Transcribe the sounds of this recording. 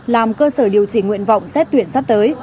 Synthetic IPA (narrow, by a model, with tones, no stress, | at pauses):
laː˨˩mkəː˧səː˧˩ɗi˨˩əwt͡ɕi˧˩ŋwḭ˧˨ənva̰˧˨wŋ͡msɛ˦˥t̚t̪wi˧˨ənsa˦˥p̚t̪əː˨˦j